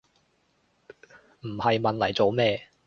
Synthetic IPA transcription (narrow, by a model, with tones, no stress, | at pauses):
m̩˨˩hɐ˨jmɐ˨nlɐ˨˩jt͡so˨˧wmɛː˥